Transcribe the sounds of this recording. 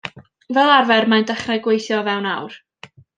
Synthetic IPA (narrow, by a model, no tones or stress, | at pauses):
vɛlˠarvɛrmajndɛχrajɡwejθjɔvɛwnawr